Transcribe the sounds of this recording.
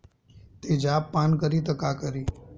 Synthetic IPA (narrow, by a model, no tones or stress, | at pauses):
t̪ed͡ʒaːpːaːnkəɾiːt̪əkaːkəɾiː